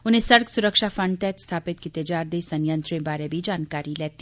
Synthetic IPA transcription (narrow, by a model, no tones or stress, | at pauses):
ʊnẽsɐɾksʊɾəkʃafɐ̃ɳɖ̚t̪ɛːt̪st̪ʰaːpɪt̪̚kit̪ed͡ʒaːɾd̪esɐ̃njə̃nt̪ɾẽbaːɾebʱid͡ʒaːnkaːɾilɛːt̪i